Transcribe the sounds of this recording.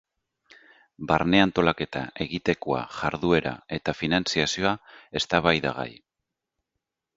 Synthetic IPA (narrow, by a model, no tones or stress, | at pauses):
baɾne̞ant̪o̞lake̞t̪a̰e̞ɣit̪e̞koa̰ʝaɾðue̞ɾa̰e̞t̪afinansiasio̞ae̞st̪aβ̞ajða̰ɣ̞a̰j